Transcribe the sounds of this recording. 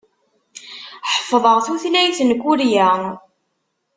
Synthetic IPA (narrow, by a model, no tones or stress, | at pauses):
ħə̥fːðˤəʁθuθlæjθənkːʊɾjæ